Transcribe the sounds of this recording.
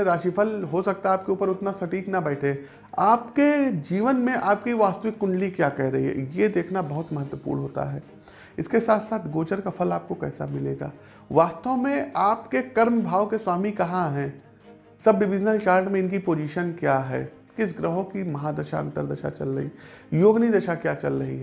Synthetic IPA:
ɾaːʃipʰəlɦosɐk̚t̪aɦɛaːp̚keuːpəɾʊt̪nasɐʈiːknabɛːʈʰe | aːpked͡ʒiːʋənmẽʔaːp̚kiʋaːst̪əʋɪkːʊ̃ɳɖlikjaːkɛɦɾɐɦḭɦɛ̰jed̪eːkʰnabɐɦʊt̪mɐɦət̪wəpṵːɾnɦoːt̪a̰ɦɛː | ɪskesaːt̪ʰsaːt̪ʰɡoːd͡ʒəɾkapʰɐlaːp̚kokɛ̰ːsa̰mɪleːɡa̰ː | ʋaːst̪omẽaːpkekɐɾmbʱaːʋkeswaːmikɐɦãɦɛ̃ː | sɐb̚ɖɪʋɪd͡ʒnəlt͡ʃaːɾʈmẽɪnkipoːd͡ʒiːʃənkjaɦɛ̰ː | kɪsɡɾəɦõkimɐɦãd̪ɐʃa̰ə̰̃nt̪əɾd̪ɐʃa̰t͡ʃɐ̰lɾɐ̰ɦḭjoːɡnid̪ɐʃakjaːt͡ʃɐlɾɐɦḭɦɛ

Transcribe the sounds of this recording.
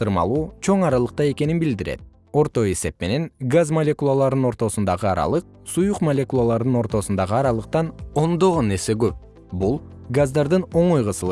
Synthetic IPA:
sɯɾmɑ̰lˠuːt͡ʃʰo̞ɴɑɾɑlˠɯq̚t̪ɑje̞ke̞ninbild̪iɾe̞̰t̪̚ | o̞ɾt̪o̞e̞se̞pme̞ne̞nɡazmɐlʲe̞kulˠalˠɑɾd̪ɯno̞ɾt̪o̞sund̪ɑʁɯɑ̰ɾɑ̰lˠɯq̚sujuqmɐlʲe̞kulˠalˠɑɾd̪ɯno̞ɾt̪o̞sund̪ɑʁɯɑɾɑlˠɯq̚t̪ɑno̞nd̪o̞ʁone̞ɾse̞ɡøp̚ | bulˠɡazd̪ɑɾd̪ɯno̞ɴojʁɯsɯlˠ

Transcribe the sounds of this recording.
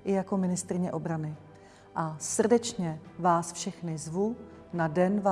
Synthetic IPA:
ʔɪjako̞mɪnɪst̪ɾɪɲɛʔo̞bɾanɪ | ʔasr̩dɛt͡ʃɲɛvaːsfʃɛxnɪzvu | nadɛnva

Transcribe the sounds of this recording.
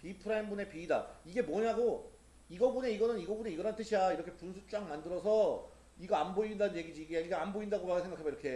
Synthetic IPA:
pipʰɯɾaimbune̞piːdaiɡe̞mwʌɲaɡo | iɡʌbune̞iɡʌnɯniɡʌbune̞iɡʌɾant͈ɯɕʰiaiɾʌkʰe̞punsʰut͡ɕ͈aŋmandɯɾʌsʰʌ | iɡʌanboindanɯnje̞ɡid͡ʑiːɡeiɡeanboindaɡomakʰɯsʰeɡakʰabjiɾʌkʰe̞

